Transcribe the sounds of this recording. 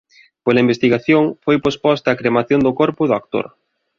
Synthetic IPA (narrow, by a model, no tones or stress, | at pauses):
polɐimbest̪iɣaθjoŋfojpospɔst̪ɐːkɾemaθjond̪ʊkoɾpʊðʊak̚t̪o̰ɾ